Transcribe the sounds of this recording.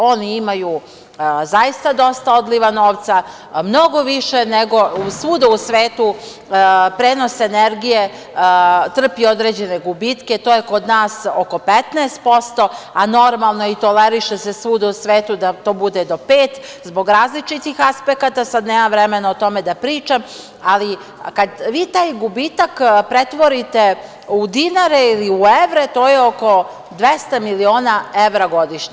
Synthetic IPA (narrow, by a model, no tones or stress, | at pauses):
o̞niimaju | zaist̪ad̪o̞st̪ao̞d̪liʋano̞ːʋt̪sa | mno̞ɡo̞ʋiʃe̞neɡo̞usuːd̪ausʋeːt̪u | pɾeːno̞seneɾɡije̞ | t̪r̩pio̞d̪ɾeːd͡ʑe̞neɡubit̪ke̞t̪oːje̞ko̞d̪naːsoko̞pet̪nɛːst̪̚po̞st̪o̞ano̞ɾmalˠno̞it̪o̞leɾiʃesesuːd̪ausʋeːt̪ud̪at̪o̞ːbud̪ed̪o̞peːt̪zbo̞ɡɾaːzlit͡ʃit̪ixaspekat̪asad̪neːmaʋɾeme̞naot̪o̞med̪apɾiːt͡ʃam | ali | kad̪ʋiːt̪aːjɡubit̪akpɾet̪ʋo̞ɾit̪e | ud̪inaɾeiliueʋɾet̪o̞ːjeo̞ko̞ | d̪ʋe̞st̪amilio̞ːnaeʋɾaɡo̞d̪iʃɲe